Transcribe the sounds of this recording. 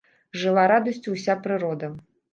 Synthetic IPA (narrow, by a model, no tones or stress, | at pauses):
ʐɨlˠaɾad̪ɐsʲt͡sʲuwsʲapɾɨɾɔd̪ɐ